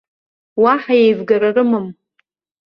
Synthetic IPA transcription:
waħajejvɡaɾarɨmɨm

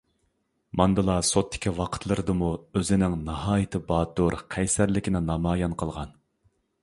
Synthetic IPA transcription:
mɑnd̪ɨlˠɑsot̪ʰːɪ̥kʲʰiwɑqʰə̥t̪ʰlˠɨɾɨd̪ɨmuøzɪnɪŋnɑhɑːjit̪ʰɨbɑːt̪uɾqʰɛjsæɾlɪkʲɪnɪnɑmɑːjɑnqʰəlˠʁɑn

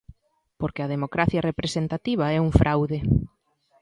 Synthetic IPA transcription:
poɾkeað̞emokɾaθjɐrepɾesent̪at̪iβ̞ɐɛuŋfɾʔawðe

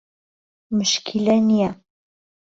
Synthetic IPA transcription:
mɘ̆ʃkʲʰilʲænia

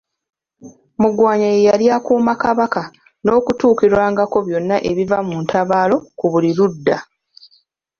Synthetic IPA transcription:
muɡwaːɲajejaljakuːmakaβaka | no̞ːkutuːkiɾwaːŋɡako̞βjo̞nːaʔe̞βivamuːntaβaːlo̞kuβuliɾudːa

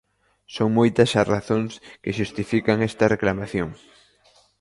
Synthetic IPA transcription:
soŋmojt̪ɐsɐraθoŋskɪʃust̪ifikaŋɛst̪ɐreklamaθjoŋ

